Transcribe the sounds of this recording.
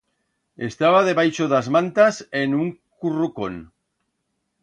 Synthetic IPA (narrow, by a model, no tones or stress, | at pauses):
e̞st̪aβaðe̞βajʃoðazmãnt̪asenuŋkuruko̰n